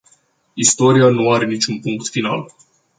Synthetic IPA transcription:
ist̪o̞ɾianuaɾe̞nit͡ʃʲunpuŋkt̪fina̰l

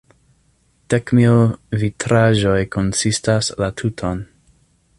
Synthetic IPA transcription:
d̥ekmilvitʰɾaʒo̞jkʰo̞nsistaslatʰutʰo̞n

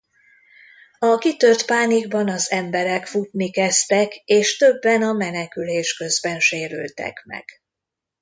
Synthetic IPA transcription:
ɒkit̪ørt̪paːniɡbɒnɒzɛmbɛɾɛkfut̪nikɛst̪ɛkeːʃt̪ø̞bːɛnɒmɛnɛkyleːʃkø̞zbɛnʃeːɾy̰lt̪ɛ̰kmɛ̰ɡ̥

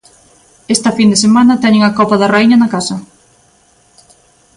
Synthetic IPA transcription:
est̪ɐfind̪esemanɐt̪ɛɲeŋɐkɔpɐðɐraiɲɐnɐkasɐ

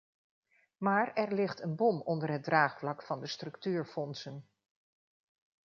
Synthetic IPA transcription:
maːɹɛɹlɪχtənbɔmɔndəɹɦət̚draːχflɑkfɑndəstrɵktyːɹfɔnsən

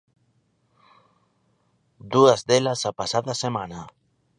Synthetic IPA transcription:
d̪uazðelasapasaðasemana

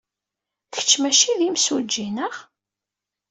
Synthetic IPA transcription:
çə̥t͡ʃːmæʃiðimsud͡ʒːinəʁ

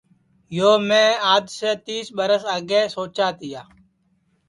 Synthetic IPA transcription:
joːmẽːaːd̪seːt̪iːsɓəɾəsaːɡeːsoːt͡ʃaːt̪ɪjaː

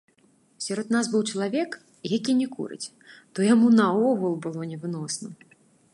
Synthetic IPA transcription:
sʲaɾɔd̪nazbɨwt͡ʂɐlˠavʲɛk | jakʲinʲɛkṵɾɨ̰t͡sʲ | t̪ɔjamunɐɔɣulˠbɨlˠɔnʲɛvɨnɔsnɐ

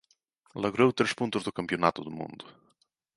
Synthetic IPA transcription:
lɐɣɾowt̪ɾeʃpũnt̪ʊzðʊkɐ̃mpiunat̪ʊðumṵ̃nd̪ʊ

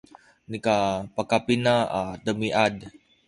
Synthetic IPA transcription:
nikapakapinaat̪əmiʔad

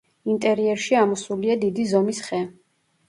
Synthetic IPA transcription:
int̪ʼɛɾiɛɾʃiamɔsuliad̪id̪izɔmisχɛ

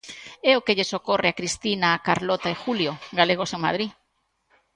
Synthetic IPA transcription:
ɛokeʎesokoreakɾist̪inaːkaɾlot̪aexuljoɡaleɣ̞oseŋma̰ð̞ɾi

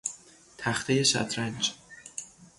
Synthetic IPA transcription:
t̪ʰæχt̪ʰejeʃæ̰t̪ʰɾænd͡ʒ

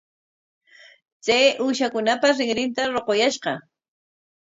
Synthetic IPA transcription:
t͡sajʔuʃakʊnapasɾɪŋɾɪnt̪aɾoqojaʃɢɑ

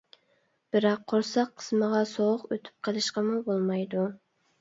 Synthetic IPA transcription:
b̥ɪɾɑqʰːoɾsɑqʰːə̥sməʁɑsoʁʊqøt̪ʰy̥p̚qʰəlˠɨʃqɑmubolˠmɑjd̪u

